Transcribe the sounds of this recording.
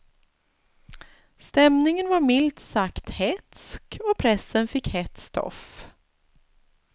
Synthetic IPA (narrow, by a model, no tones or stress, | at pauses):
st̪ɛmnɪŋənvaɾmɪlt̪sakt̪hɛt̪skɔpʰɾɛsːənfɪkːhɛt̪st̪ʰɔ̰f